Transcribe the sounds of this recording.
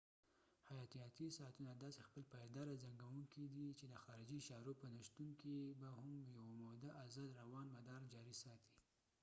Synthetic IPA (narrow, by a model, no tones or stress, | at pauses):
hajɑt̪ijɑt̪isɑat̪unad̪ɑsexpəlpajd̪ɑɾazaŋɡawuŋkid̪it͡ʃed̪əxɑɾɪd͡ʒiʃɑɾopənaʃt̪uŋkibahʊmjawamod̪aʔazad̪ɾawɑnmad̪ɑɾd͡ʒɑɾisɑt̪i̥